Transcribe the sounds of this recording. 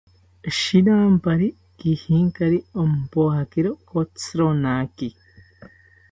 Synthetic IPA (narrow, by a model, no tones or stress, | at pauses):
ʃinaːmbaɾi | ɡihiːŋkaɾiomupohakiɾokot͡sɾonaki